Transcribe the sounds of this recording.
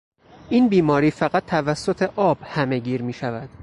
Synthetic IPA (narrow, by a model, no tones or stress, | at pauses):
ʔiːnbiːmɒːɾiːfæɣæt̪ʰːævæsːot̪ʰe̞ʔɒːb̥hæme̞ɟiːɾmiːʃævæd̪̥